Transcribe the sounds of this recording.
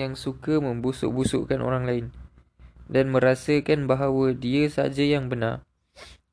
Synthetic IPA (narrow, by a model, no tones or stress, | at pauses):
jaŋsukəmə̃mbusṵʔbusṵʔkanʔo̰ɾaŋlaɪn | danmə̃ɾasəkanbaɦawədiəsa̰d͡ʒajaŋbənar